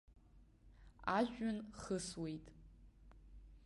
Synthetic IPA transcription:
aʒᶣʷʊnχəswejtʼ

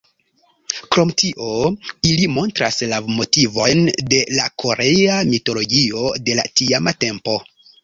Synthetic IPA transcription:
kɾo̞mtiʔo̞ilimo̞ntɾaslamo̞tivo̞jnde̞lakʰo̞ɾʔeamito̞lo̞ɡio̞de̞la̰tiamate̞mpo̞

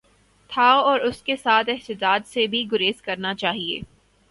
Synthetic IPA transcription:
t̪ʰaoɔːɾʊskesaːt̪ɪɦt̪ɪd̪aːd̪sebʱiɡʊɾeːzkɐɾnat͡ʃaːɦiḛː

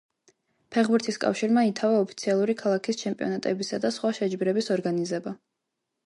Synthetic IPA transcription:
pʰɛχbuɾt̪ʰiskʼa̰fʃiɾmait̪ʰavaɔpʰi̥t̪sʰialˠuɾikʰalˠakʰist͡ʃʰɛmpʼiɔ̰nat̪ʼɛbisad̪asχwaʃɛd͡ʒbiɾɛbisɔɾɡanizɛba

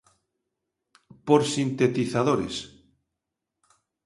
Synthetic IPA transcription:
poɾsint̪et̪iθaðoɾḛs

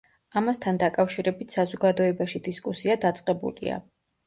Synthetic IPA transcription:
amast̪ʰand̪akʼafʃiɾɛbit̪ʰsazɔɡad̪ɔɛbaʃid̪iskʼusiad̪at̪sʼqʼɛbṵlḭa̰

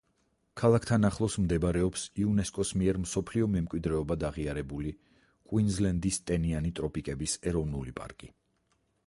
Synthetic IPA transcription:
kʰalˠakʰt̪ʰanaχlˠɔsmd̪ɛbaɾɛɔpsiunɛskʼɔsmiɛɾmsɔpʰliɔmɛmkʼwid̪ɾɛɔbad̪aʁiaɾɛbuli | kʼwinzlɛnd̪ist̪ʼɛnianit̪ʼɾɔpʼikʼɛbisɛɾɔvnulipʼa̰ɾkʼi

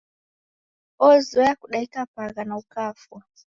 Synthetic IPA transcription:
ɔzɔjakuɗaikapaɣanaukafwa

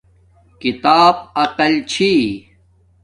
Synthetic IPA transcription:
kit̪aːb̚ɐqɐlt͡ɕʰi

